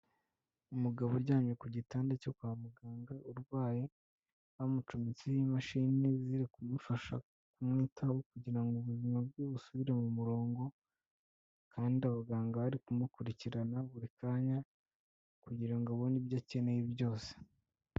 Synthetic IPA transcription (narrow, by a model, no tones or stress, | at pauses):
umuɡaβo̞ɾɟaːmɲekuɟitaːndecokuamuɡaːŋɡaʔuɾɡwaːje | hamut͡ʃumit͡sijimaʃiniziɾikumufaʃa̰ | kumŋiːtʰawokuɟiɾaŋɡuβuzimab̚ɡuβusuβiɾe̞mumuɾo̞ːŋɡo̞ | kʰaːndiaβaɡaːŋɡaaɾikumukuɾiciɾanaβuɾikaːɲa | kuɟiɾaiŋɡaβonibjacene̞jijo̞ːse̥